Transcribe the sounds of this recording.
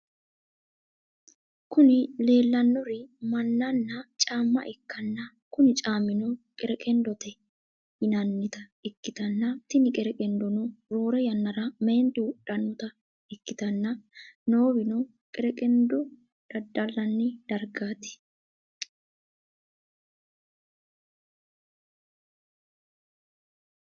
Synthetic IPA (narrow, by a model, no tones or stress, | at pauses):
kʊnɪle̞ːlːɐnːɔɾɪmɐnːɐnːɐt͡ʃʼaːmːɐ̰ʔɛkːɐnːɐ | kʊnɪt͡ʃʼaːmɪnɔkʼɛɾɛkʼɛnd̪ɔt̪ɛ | ɪnɐnːɪt̪ɐɛkːɪt̪ɐnːɐt̪ɪnɪkʼɛɾɛkʼɛnd̪ɔnɔɾo̞ːɾɛjɐnːɐɾɐmeːnt̪ɪwʊɗːɐnːʊt̪ɐ | ɛkːɪt̪ɐnːɐnoːwɪnɔ | kʼɛɾɛkʼɛnd̪ɔ | d̪̥ɐd̪ːɐlːɐnːɪd̪̥ɐɾɡaːt̪ɪ̥